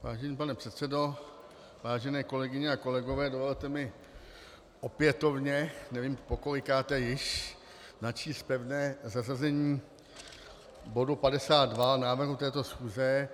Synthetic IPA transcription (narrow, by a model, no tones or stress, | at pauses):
va̰ːʒɛɲiːpanɛpr̥ɛt̪sɛdo̞ | vaːʒɛnɛːko̞lɛɡɪɲɛako̞lɛɡo̞vɛːdovo̞lt̪ɛmɪ | ʔo̞pjɛt̪o̞vɲɛnɛviːmpo̞koɾɪkaːt̪ɛjɪʃ | nat͡ʃiːst̪̚pɛvnɛːzazazɛɲiː | bo̞dupadɛsaːt̪̚dvanaːvr̩ɦut̪ɛːt̪o̞sxuːzɛ